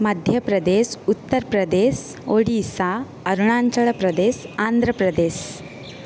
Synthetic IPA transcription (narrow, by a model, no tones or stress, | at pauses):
məd̪ʱjəpɾəd̪esut̪ːəɾpɾəd̪es | oɽisa | əɾɳ̃aɲt͡ɕəɭpɾəd̪esand̪ʱɾəpɾəd̪es